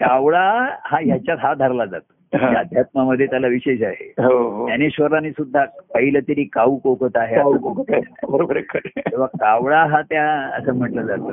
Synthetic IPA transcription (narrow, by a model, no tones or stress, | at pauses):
kaʋɭahãɦjat͡ɕjaɦad̪ʱaɾlad͡zat̪o̥ | ɦãjaəd̪ʱjat̪̚maməd̪ʱːjet̪jalaʋiɕeɕaɦḛɦoɦojaneɕʋəɾanisud̪ʱːapəɦilət̪iɾiːkauːkokət̪aɦeaakokət̪abʱəɾobəɾəkəɾĩʋakaʋɭaɦãt̪jaəsəːm̤əʈlad͡zat̪o